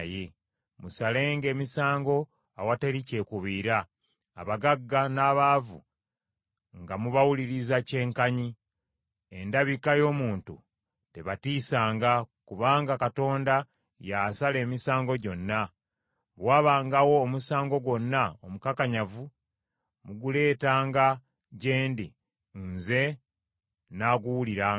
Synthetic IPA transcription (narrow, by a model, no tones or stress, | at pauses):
je | musale̞ːŋɡe̞ːmisaːŋɡo̞ | awateɾice̞ːkuβiːɾa̰ː | βaɡaɡːanaːβaːvṵ | ŋɡamuβawuliɾizace̞ːŋkaɲi | e̞ndaβikajo̞ːmuːntṵ | te̞βatiːsaːŋɡakuβaːŋɡakato̞ːnda | jasale̞ːmisaːŋɡo̞ɟo̞nːa | βwaːβaːŋɡawo̞ːmusaːŋɡo̞ɡwo̞nːaomukakaɲavu | muɡule̞ːtaːŋɡa | ɟe̞ːndi | nze̞ | naɡuwuliɾaːŋ